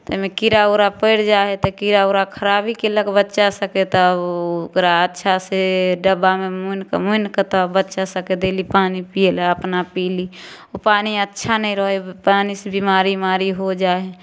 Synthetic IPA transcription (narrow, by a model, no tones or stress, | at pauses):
t̪əmekiɾauɾapəɪɽd͡ʒaɦet̪ɔkiɾauɾakʰəɾabikeləɡbətːt͡ʃasəket̪ɔkɾaətːʃʰaseɖəbamemunkmunkət̪ɔbətːt͡ʃasəked̪elipanipielɛəpnapiliopaniətːʃʰanəĩɾɔɦepanisebimaːɾimaɾiɦod͡ʒae